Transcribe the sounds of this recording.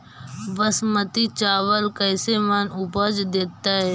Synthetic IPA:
ʋəsmət̪it͡ʃaːʋəlkəɪsemənʊbəd͡ʒd̪eːt̪aɦɛː

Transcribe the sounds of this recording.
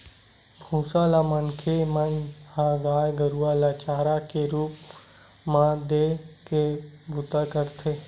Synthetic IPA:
bʱũːsaːlaːmənkʰemənhaɡaːjɡəɾuaːlaːt͡ʃaːɾakeɾuːp̚ | mãd̪eːkebʱʊt̪akəɾt̪ʰeː

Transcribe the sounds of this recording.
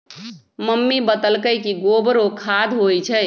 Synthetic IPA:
məmːibət̪əlkəjkiɡobɾokʰad̪ʱɦojt͡ʃʰəj

